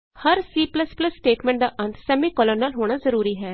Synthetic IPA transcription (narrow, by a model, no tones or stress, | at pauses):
həɾsiːpləspləsːʈeːʈmɛ̃ɳʈ̚d̪aːʔə̃nt̪sɛːmiːkɔːləɾnaːlɦoːɽ̃aːzəɾuːɾiːɦɛː